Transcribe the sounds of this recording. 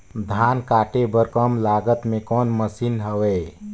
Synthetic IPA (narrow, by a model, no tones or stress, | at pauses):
d̪ʱaːnkaːʈebəɾkəmlaːɡət̪mẽkɔːnməsinɦəweː